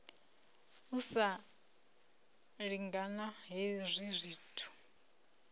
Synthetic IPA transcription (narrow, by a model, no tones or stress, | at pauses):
usa | ɺiŋɡanaɦizʷizʷiːtʰu̥